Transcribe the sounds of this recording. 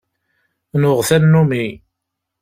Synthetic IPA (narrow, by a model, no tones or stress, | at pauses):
nʊʁθænːumi